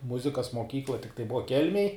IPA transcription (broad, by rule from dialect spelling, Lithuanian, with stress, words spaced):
ˈmʊzʲɪkɐs moːˈkʲiːklˠɐ tʲɪkˈtɐɪ ˈbʊʋɐ ˈkʲɛlʲmʲeːj